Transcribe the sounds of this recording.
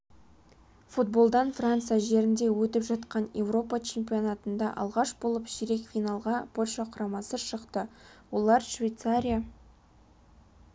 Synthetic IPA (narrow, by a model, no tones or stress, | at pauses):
fut̪̚bo̞lˠd̪ɑnfrant̪sɨjaʒe̞ɾɪnd̪e̞wɵt̪ɪpʒɑt̪qɑnje̞wro̞pɑt͡ʃʰe̞mpʲio̞nɑt̪ənd̪ɑʔɑ̰lˠʁɑʃbo̞lˠəpʃiɾe̞kfʲinɑlˠʁɑpʰo̞lʲʃɑqʰʊɾɑmɑsəʃəqt̪əwo̞lˠɑɾʃvʲejt̪saɾʲija